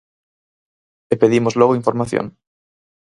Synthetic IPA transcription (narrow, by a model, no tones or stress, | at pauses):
epeðimozloɣoiɱfoɾmaθjo̰ŋ